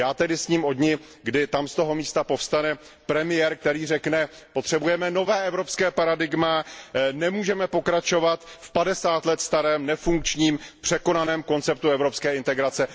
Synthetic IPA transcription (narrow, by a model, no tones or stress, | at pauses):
jaːt̪ɛdɪsɲiːmo̞dɲɪ | ɡdɪt̪amst̪o̞ɦo̞miːst̪apo̞fst̪anɛ | pɾɛmɪjɛɾk̚t̪ɛɾiːrɛknɛ | pot̪r̥ɛbujɛmɛno̞vɛːʔɛvɾo̞pskɛːpaɾadɪɡmanɛmuːʒɛmɛpo̞kɾat͡ʃo̞vat̪fpadɛsaːt̪lɛt̪st̪aɾɛːmnɛfuŋk̚t͡ʃɲiːmpr̥ɛko̞nanɛːmko̞nt͡sɛp̚t̪uɛvɾo̞pskɛːɪnt̪ɛɡɾat͡sɛ